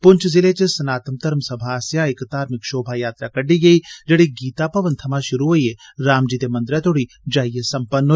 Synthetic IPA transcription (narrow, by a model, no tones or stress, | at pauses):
pʊɲt͡ʃʰzɪlet͡ʃɐsɐnaːt̪əmt̪ɐɾmsɐbʱaːsjãːɪkt̪aːɾmɪkʃoːbʱajaːt̪ɾakɐɖiɡɐiːd͡ʒɐɽiɡiːt̪apɐʋɐnt̪ʰɐmaʃʊɾuɦoieɾaːmd͡ʒiːt̪emɐ̃nd̪ɾat̪oːɽi | d͡ʒaːjjesɐmpɐnː